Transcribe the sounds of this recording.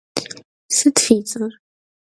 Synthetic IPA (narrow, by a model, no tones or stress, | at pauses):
sət̪fit͡səɾ